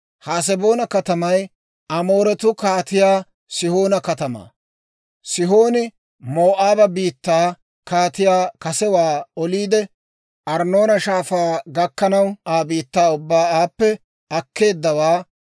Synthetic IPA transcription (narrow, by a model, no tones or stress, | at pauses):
haːs̬ɛbo̞ːnɐkɐt̪ɐmɐj | ʔɐmo̞ːɾɛt̪ʊkaːt̪ɪjaː | sɪho̞ːnɐkɐt̪ɐma̰ː | sɪɦo̞ːnɪ | moːʔaːbɐbiːt̪ːaː | kaːt̪ɪjaːkɐsɛwaːɔliːd̪ɛ | ʔɐɾno̞ːnɐʃaːfaːɡɐkːɐnɐwaːbiːt̪ːaːʊbːaːaːpːɛ | ɐkːe̞ːd̪ːɐwaː